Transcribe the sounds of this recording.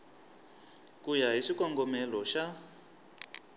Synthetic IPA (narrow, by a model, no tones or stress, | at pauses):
kujaɦiʂikɔŋɡɔmɛlɔʃa